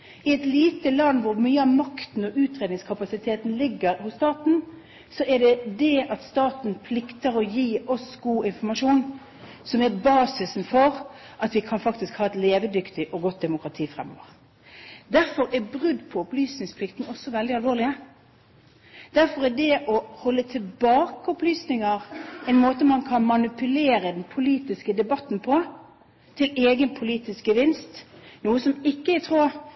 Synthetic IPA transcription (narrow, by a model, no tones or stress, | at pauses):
ɪɛt̪liːt̪əlɑnːʋʊɾmyːəɑʋmɑkt̪n̩ɔʉːt̪ɾeːd̪nɪŋskʰɑpɑsɪt̪ʰeːt̪n̩lɪɡːəɾhʊssːt̪ɑːt̪n̩ | sɔʔɛɖɛd̪ɛʔɑt̪st̪ɑːt̪n̩pʰlɪkt̪əɾɔjiːʔɔsɡuːɪnfɔmɑʂuːn | sɔmɛɾbɑːsɪsn̩fɔɾ | ʔɑt̪ʋɪkʰɑnfɑkt̪ɪskhɑːɛt̪leːʋəd̪ʏkt̪ɪʔɔɡɔt̪̚d̪ɛmʊkɾɑt̪ʰiːfʁɛ̰mo̰ːʋəʁ | d̪æɾfɔɾɛbʁʉd̪ːpʰɔɔplyːsnɪŋspʰlɪkt̪n̩ɔsːɔʋɛld̪ɪɑlʋoːʁlɪə | d̪̥æɾfɔʁɛdɛʔɔhɔlːət̪ʰɪlbɑːkəɔplyːsnɪŋɑʁɛɪnmoːt̪əmɑnkʰɑnmɑnɪpʰʉleːɾəd̪ɛnpʰʊliːt̪ɪskəd̪ɛbɑt̪ːn̩pʰɔ | t̪ʰɪleːɡənpʰʊliːt̪ɪsk̚ɡəʋɪnst̪nuːəsɔmɪkːəɛt̪ʰʁuː